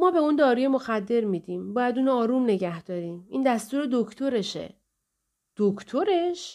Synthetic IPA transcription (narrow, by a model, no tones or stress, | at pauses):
mɒːbe̞und̪ɒːɾuje̞mo̞xæd̪ːe̞ɾmiːd̪iːmbɒːjæd̪uːnoɒːɾuːmne̞ɟæhd̪̥ɒːɾiːmḭːnd̪æst̪uːɾe̞d̪okʰt̪ʰo̞ɾe̞ʃḛ | d̪̥okʰt̪ʰoɾe̞ʃ